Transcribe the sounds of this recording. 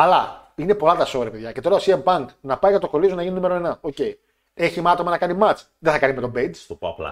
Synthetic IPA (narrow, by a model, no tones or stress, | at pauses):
ɐlɐine̞po̞lɐt̪ɐso̞ɾepeðʝɐcet̪o̞ɾɐosiempɐŋknɐpɐjɐt̪oko̞lisonɐʝinund̪emeɾomenɐo̞ce̞i | eçimɐt̪o̞mɐnɐkɐnimɐt͡s | ðeθɐkɐnimet̪o̞bezst̪opoɐ̰plɐ̰